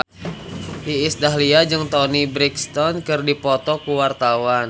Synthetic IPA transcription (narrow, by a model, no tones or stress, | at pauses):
ʔiːsdaɦliad͡ʒɨŋt̪ɔnibɾikst̪ɔnkɨrdipɔt̪ɔkuwart̪awan